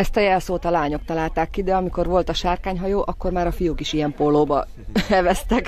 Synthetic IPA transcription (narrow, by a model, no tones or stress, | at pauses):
ɛst̪ɒjɛlsoːt̪ɒlaːɲo̞k̚t̪ɒlaːlt̪aːkːid̪ɛɒmiko̞rʋo̞lt̪ɒʃaːrkaːɲɦɒjoːʔɒkːo̞rmaːɾɒfijuːkiʃijɛmpolːoːbɒ | ɛvɛst̪ɛk